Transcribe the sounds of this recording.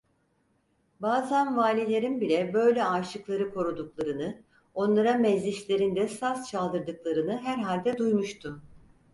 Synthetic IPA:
baːzænvaːlʲilʲe̞ɾinbilʲɛbø̞jlʲɛaːʃɯklˠaɾɯkʰo̞ɾud̪uklˠaɾɯnɯ | o̞nlˠaɾamɛzlʲiʃlʲe̞ɾind̪ɛsast͡ʃʰalˠd̪ɯɾd̪ɯklˠaɾɯnɯɦæɾɦalʲd̪ɛd̪ujmuʃt̪ʰum

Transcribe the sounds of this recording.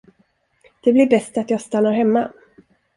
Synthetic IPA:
d̪̥ɛblɪɾbɛst̪at̪jɑːɡst̪anːaɾɦɛmːa

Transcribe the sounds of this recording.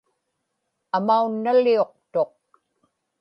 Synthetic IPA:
amaunːalːio̞q̚t̪o̞q̚

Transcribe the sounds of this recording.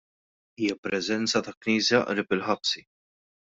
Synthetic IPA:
iːjɐpɾɛzɛnt͡sɐt̪ɐkniːsjɐʔɾɪpɪlħɐpsi

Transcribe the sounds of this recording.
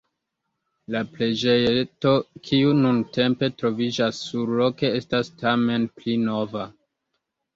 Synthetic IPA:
laple̞d͡ʒejto̞kʰiununtʰe̞mpe̞tɾo̞vid͡ʒasːuɾlo̞ke̞e̞stastʰame̞nplino̞va

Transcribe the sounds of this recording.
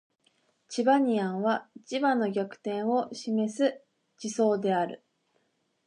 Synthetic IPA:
t͡ɕibaɲ̟iãɰ̃βait͡ɕibãnːo̞ɡʲakɯ̟̥t̪ẽ̞ɰ̃o̞ɕime̞sɨ | d͡ʑiso̞ːd̪e̞aɾɯ̟̰

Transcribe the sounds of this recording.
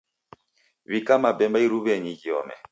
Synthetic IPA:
βikamabɛmbaiɾuβɛɲiɟiɔ̰mɛ̰

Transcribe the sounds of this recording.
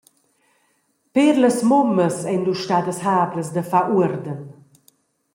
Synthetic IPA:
peɾləsmɔməsɛnd̪uʃtad̪əshaːbləsd̪əfaʔuəɾd̪ən

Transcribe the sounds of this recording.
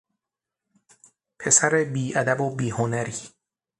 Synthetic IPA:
pʰe̞sæɾebiːʔæd̪æbobiːhonæɾiː

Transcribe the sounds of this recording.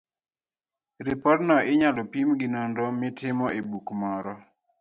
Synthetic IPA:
ɾɪpɔɾnɔɪɲalɔpimɡɪnondɔmɪtɪmɔʔebukmɔɾɔ

